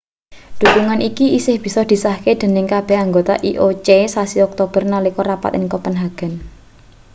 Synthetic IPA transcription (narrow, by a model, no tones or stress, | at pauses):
d̪̥ṳt̪uŋanʔikiisɪhb̥i̤sɔd̪̥i̤sahked̪̥e̤nɪŋkab̥ɛ̤haŋɡot̪a̰ʔiʔot͡ʃesasiɔk̚t̪ob̥ə̤rnalikɔrapa̰t̪ɪŋkɔpənɦaɡ̥ə̤n